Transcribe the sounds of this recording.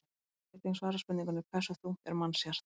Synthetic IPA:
t̪iŋsvaːɾaspʏnniŋkʏnʏkʰvɛsːʏθuɛ̰ɾmanːsjar̥t̪

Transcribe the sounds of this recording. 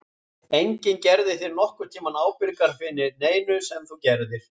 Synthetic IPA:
ejɲcɪncɛɾðɪθɪɾnɔhkʏɾt̪ʰiːmanaːwpɪɾkaɾ̥fɪnːɪɾneːjnʏsɛmθuwcɛɾðɪɾ̥

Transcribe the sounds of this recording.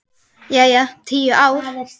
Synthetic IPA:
jajat̪ʰiːəʔaw

